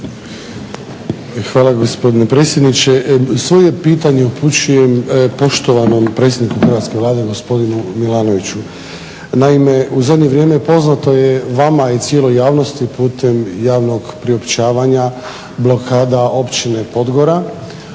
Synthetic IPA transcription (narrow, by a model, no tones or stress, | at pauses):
xʋaːlaɡo̞spo̞d̪ine̞pɾe̞ːt̪sje̞d̪nit͡ɕesʋo̞je̞piːt̪aɲe̞upʰut͡ɕujempo̞ʃt̪o̞ʋano̞mpɾe̞t̪sjed̪nikuxr̩ʋat̪ske̞ʋlˠaːd̪eɡo̞spo̞d̪inumilaːno̞ʋit͡ɕu | naime̞uzad̪ɲeʋɾje̞ːme̞po̞znat̪o̞jeʋamait̪sje̞lˠojaːʋno̞st̪ipuːt̪e̞mjaːʋno̞ɡpɾio̞pt͡ɕaːʋaɲa | blˠo̞kʰaːd̪aʔo̞pt͡ɕine̞po̞d̪ɡo̞ɾa